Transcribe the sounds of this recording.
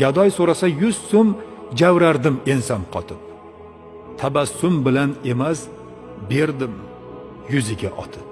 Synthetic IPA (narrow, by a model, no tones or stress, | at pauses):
ɡʲad̪ɒjsoɾasajʊzsʊmd͡ʒawɾaɾd̪ɪme̞nsamqʰɒt̪ʰɪp̚ | t̪ʰabasʊmbɪlane̞mas | be̞ɾd̪ɪm | jʊzɪɡʲaʔɒ̰t̪ʰɪp